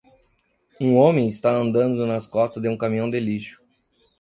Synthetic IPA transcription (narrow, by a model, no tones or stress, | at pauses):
ũõmẽj̃ɪst̪aɐ̃nd̪ɐ̃nd̪ʊnɐskɔst̪ɐzd̪eũkɐmĩɐ̃w̃d̪eliʃʊ̥